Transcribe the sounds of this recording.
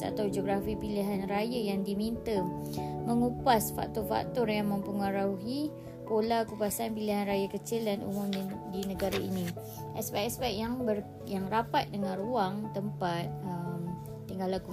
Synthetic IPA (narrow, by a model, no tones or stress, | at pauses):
a̰t̪awd͡ʒoɡɾafipiliɦanrajajaŋdimint̪ə | məŋupasfa̰k̚t̪ɔrfa̰k̚t̪ɔrjaŋmə̃mpəŋəɾauɦi | polakupasanpiliɦanrajakət͡ʃɪldanṵmʊmdinəɡaɾainĩ | ʔɛspɛʔɛspɛk̚jaŋbər | jaŋrapat̪̚dəŋãnruaŋt̪əmpat̪̚əmː | iŋɡalaku